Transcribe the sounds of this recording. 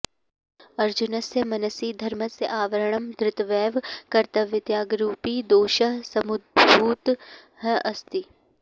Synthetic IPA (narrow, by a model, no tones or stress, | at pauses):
ɐɾd͡ʒunɐsjəmɐnəsiːd̪ʱɐɾməsjeʔaːʋəɾəɳ̃əmd̪ɾɪt̪ʋɛːʋkɐɾt̪ɐʋjɪt̪jaːɡɾuːpiːd̪oːʃɐɦsɐmʊd̪̚bʱuːt̪ | ɦɛʔɐst̪i